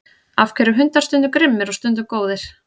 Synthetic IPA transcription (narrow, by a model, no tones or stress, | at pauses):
afkʰɛɾʏɦʏnt̪aɾst̪ʏnt̪ʏkɾɪmːɪɾɔst̪ʏnt̪̬ʏkoːwðɪɾ̥